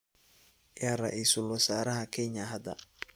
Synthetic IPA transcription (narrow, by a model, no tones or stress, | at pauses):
jaɾɐʔiːsʊlwɔsaːɾɐɦɐkʰɛɲɐɦɐd̪ɐ̰